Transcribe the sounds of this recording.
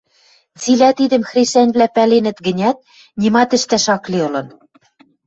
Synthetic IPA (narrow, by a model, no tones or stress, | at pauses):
t͡silæt̪id̪ɘ̆mxreʃænʲβlæpælenɘ̆t̪ɡɘ̆nʲæt̪̚ | nʲimɑt̪ɘ̆ʃt̪æʃɑkleɤ̆lɤ̆n